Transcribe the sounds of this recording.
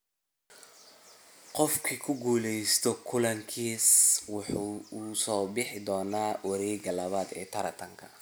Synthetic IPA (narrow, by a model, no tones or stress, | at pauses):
qɔfkʰikʰʊɡuːlɛjst̪ʰɔkʰʊlɐŋkʰiːswɑħusɔːbɪħɪd̪ɔːnaːwɐɾɛːɡɐlɐβaːd̪ɛ̰ːt̪ʰɐɾɐt̪ʰɐŋkʰɐ̥